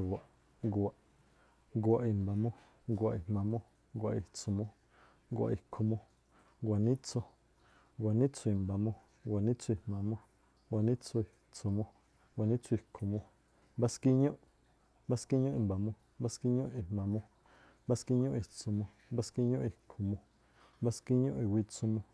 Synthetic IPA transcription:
ɡwa˨ʔ | ɡwa˨ʔ | ŋɡwa˨ʔi˧mba˨mõ˦ | ŋɡʷa˧ʔi˧hmã˨mõ˦ | ɡʷa˧˨i˧t͡so˧mõ˦ | ŋ˦ɡʷa̰˧ʔi˧kʰo˧mõ˧ | ŋɡʷa˨nĩ˦t͡so˧ | ŋɡʷa˨nĩ˦t͡so˧i˧˨mba˨mõ˧ | ɡʷa˨nĩ˦t͡so˧i˧˨mmã˨mõ˦ | ŋɡʷa˨nĩ˦t͡sʰo˧i˨ | t͡so˧mõ˧ | ɡʷwa˨nĩ˦t͡sʰu˦˧i˧˨kʰo˧mõ˧ | mba˦ski˦ɲõ˦ʔ | mba˦ski˦ɲõ˦i˧˨mba˨mõ˧ | mba˦ski˦ɲõ˦i˨mmã˨mõ˧ | mba˦ski˦ɲõ˦ʔi˨t͡so˧mõ˧ | mba˦ski˦ɲõ˦ʔi˧˨kʰo˨˧mõ˧ | mba˦ski˦ɲõ˦ʔi˧˨wi˧t͡su˧mõ˧

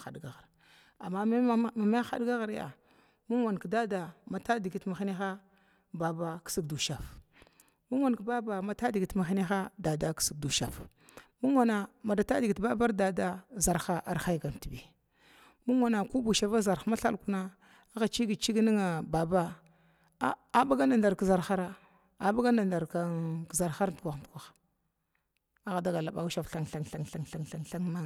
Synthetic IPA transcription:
a̰˨dɡa˨ɣa˨ɾ | a˨mːa˦ma˦ma˨ma˦a˦xa̰˦dɡa˦ɣa˨ɾja̰˨ | mu˦ŋwa˨n˨ka˨da˦da˨ma˨ta˦di˨ɡi˨tma˨xi˦ni˦xa˦ | ba˨ba˦ksi˦kdu˨ʃa˨f | mu˦ŋ˦a˨nka˨ba˦ba˨ma˨ta˦di˨ɡi˨tma˨xi˦ni˦xa˦da˨da˦ksi˨k̚du˨ʃa˨f | mu˦ŋwa˨na˨ma˨da˨ta˦di˨ɡi˨tba˦ba˦ɾda˨da˦za˨ɾxa˦ʔa˨ɾxa˦jɡa˨n˨ti˨bi˨ | mu˦ŋ˦wa˨na˨ku˦bu˨ʃa˦va˦za˨ɾxa˦ma˦ɬa̰˦lku˦na˦ | a˦ɣa˨t͡ʃi˦ɡi˨t͡ʃi˦ɡni˦ŋa˨ba˨ba˦ | a˦a˨ba˦ɡa˦nda˨nda˨ɾkza˨ɾxa˦ɾa˦ | a˨ba˦ɡa˦nda˨nda˨ɾka˦kza˨ɾxa˦ɾtkʷa˨xtu˨kʷa˨x | a˦ɣa˨da˦ɡa˨la˨ɓa˨u˦ʃa˨fɬa˨ŋɬa˨ŋɬa˨ŋɬa˨ŋɬa˨ŋɬa˨ŋɬa˦ŋma˦

